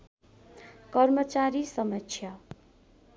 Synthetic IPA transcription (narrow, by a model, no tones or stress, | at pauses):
kʌrmʌt͡saɾisʌmʌt͡sʰjʌ